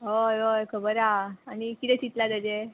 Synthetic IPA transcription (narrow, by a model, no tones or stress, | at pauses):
ɦojojkʰəbəɾaːɽ̃ikit̪ɛ̃t͡ɕit̪lad̪əd͡ʑe